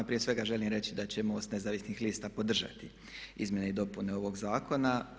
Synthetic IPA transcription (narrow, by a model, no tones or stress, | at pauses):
pɾijesʋe̞ɡaʒe̞limɾe̞t͡ɕid̪at͡ɕe̞mo̞ːst̪ne̞zaːʋisnixliːst̪apo̞d̪r̩ʒa̰t̪i | ḭzmjeneid̪o̞pune̞o̞ʋo̞ɡzaːko̞na